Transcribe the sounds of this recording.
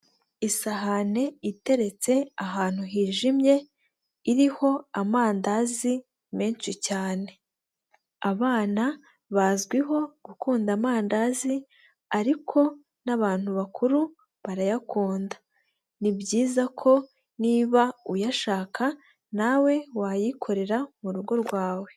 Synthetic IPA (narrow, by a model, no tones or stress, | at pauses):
isaɦane̞ite̞ɾe̞t͡se̞aɦaːn̥huɦiːʒimje̞ | iɾiho̞amaːndazi | meːnt͡ʃicaːne̞ | aβaːna | βazɡwiɦo̞ɡ̥ukuːndamaːndazi | aɾikʰo̞ | naβaːn̥huβakʰuɾu | βaɾajakuːndḁ | nibɟiːzakʰo̞ | niːβaujaʃaːkʰa | nawe̞wajikʰo̞ɾe̞ɾamuɾuɡo̞ɾɡwaːwe̞